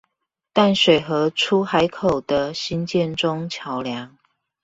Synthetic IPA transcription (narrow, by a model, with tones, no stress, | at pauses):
t̪a˥˨nʂwe˨˩ɪxɤ˨˦ʈ͡ʂʰu˦xa˧˦ɪkʰo˨˩ʊd̪̥ə˨ɕi˦nt͡ɕjɛ˥˨nʈ͡ʂʊ˦˥ŋt͡ɕʰjɑ˧˥ʊljɑ˧˦ŋ